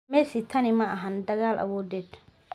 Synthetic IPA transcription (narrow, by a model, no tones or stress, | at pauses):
mɛsɪt̪ʰːɐnɪmɐʔɐɦɐnd̪ɐɡaːlʔɐ̰woːd̪et̪